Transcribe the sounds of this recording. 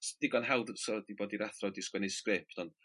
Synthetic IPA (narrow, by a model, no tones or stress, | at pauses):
sd̥ɪɡɔnɦɛwˠdsɔldiboːdiɾaθrɔdɪskwɛnɛskrɪpʰtɔnd̥